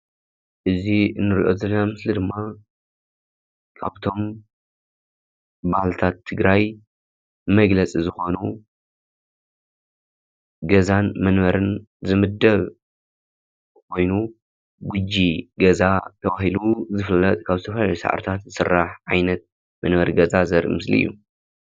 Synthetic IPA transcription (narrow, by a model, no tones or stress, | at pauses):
ʔɨziɨnːɨɾiʔo̞̰zɐlːɐnamɨslid̪ɨmːa | kʰa̰βt̪ʰo̞m | bahlt̪ʰat̪ʰːɨɡɾaj | mɐɡlɐt͡sʼizɨxo̞nu | ɡɐzanmɐnβɐɾɨn | zɨmɨd̪ːɐβ | kʰo̞jnu | ɡʊd͡ʒːiɡɐzat̪ʰɐβahiluzɨfɨlːɐt̪ʼkʰaβzɨt̪ʰɐfɐlalusa̰ʕa̰ɾt̪ʰat̪zɨsɨrːaħʕajnɐt̪̚ | mɐnβɐɾɡɐzazɐɾʔɨ̰mɨslḭɨ̰jːu